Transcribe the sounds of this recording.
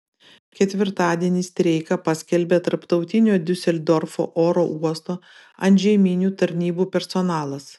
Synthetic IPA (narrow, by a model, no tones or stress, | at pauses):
kʲɛt̪ʲʋʲɪɾt̪ɑːd̪ʲiɛnʲiːst̪ʲɾʲɛɪkɐpɐsʲkʲɛlʲbʲeːt̪ɐɾpt̪ɒʊt̪ʲɪnʲoːd̪ʲʊsʲɛlʲd̪ɔɾfo̰ːʔoːɾoːʔuɔst̪oː | ɐnʲʒʲɛɪmʲinʲuːt̪ɐɾʲnʲiːbuːpʲɛɾsɔnɑːlˠɐs